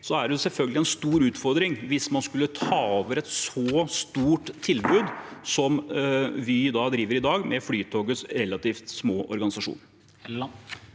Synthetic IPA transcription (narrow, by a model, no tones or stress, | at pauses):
sɔæɖɛsɛlfœlɡəlɪɛnst̪uːɾʉːt̪fɔɾd̪ɾɪŋʋɪsmɑnskʉlːət̪ʰɑːoːʋəɾɛt̪sɔst̪uːʈ̪ʰːɪlbʉːd̪sɔmʋɪd̪ɑːd̪ɾiːʋəɾɪd̪ɑːɡmʔɛflyːt̪ʰoːɡəsɾɛlːɑt̪iːft̪smoːʔɔ̰ɾɡɑnɪsɑʂṵːn